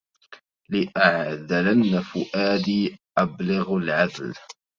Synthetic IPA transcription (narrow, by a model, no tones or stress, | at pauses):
lɪʔaʕðalanːafʊʔaːd̪iːʔablɪɣlʕad̪l